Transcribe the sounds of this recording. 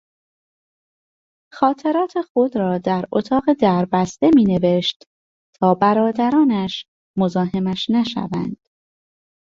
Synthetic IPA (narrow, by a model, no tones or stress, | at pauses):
xɒːt̪ʰe̞ɾɒːt̪ʰe̞xod̪ɾɒːd̪æɾot̪ʰɒːɣe̞d̪æɾbæst̪e̞miːne̞ve̞ʃt̪ | t̪ʰɒːbæɾɒːd̪æɾɒːnæʃ | mo̞zɒːɦe̞mæʃnæʃæ̰væ̰nd̪̥